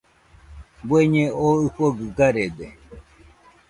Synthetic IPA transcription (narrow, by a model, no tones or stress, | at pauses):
bweɲẽoɨhoɡɨɡaɾed̪e